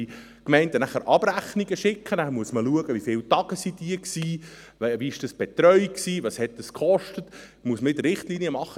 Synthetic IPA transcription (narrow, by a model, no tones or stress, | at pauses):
i | kmɛɪntənæχəɾʔɑb̥ɾæχniɡ̥əʃɪkχənæχəmuəsməluəɡəʋifɪltɑɡ̥əsid̥iːəksiː | viɪʃd̥ɑsb̥etɾœʏksiːvɑshɛt̚d̥əskχɔʃtət | muəsməɪdərɾɪχtliːniəmɑχːə